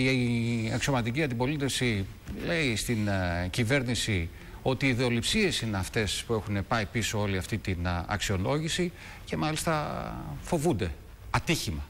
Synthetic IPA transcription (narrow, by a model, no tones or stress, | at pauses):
ekso̞mɐt̪iciɐnd̪ipo̞lit̪e̞fsi | le̞ist̪incive̞ɾnisi | o̞t̪iːðeo̞lipsie̞sine̞ɐft̪e̞spue̞xune̞pɐipiso̞o̞liɐft̪it̪inɐ̰ksio̞lo̞ʝisi | ce̞mɐlist̪ɐfo̞vund̪e̞ | ɐt̪içimɐ